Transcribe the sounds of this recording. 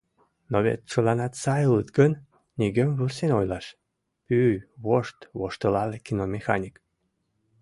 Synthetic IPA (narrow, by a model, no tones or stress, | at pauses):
noβḛt̪̚t͡ʃəlɑnɑt̪sɑjələt̪ɡən | nʲiɡəmβɨrsenojlɑʃ | pyβoʃt̪βoʃt̪əlɑlekinomʲexɑ̰nʲik